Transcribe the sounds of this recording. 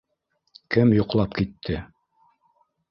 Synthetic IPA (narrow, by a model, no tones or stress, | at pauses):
kɘmjŏqlˠɑpkit̪ʰːɘ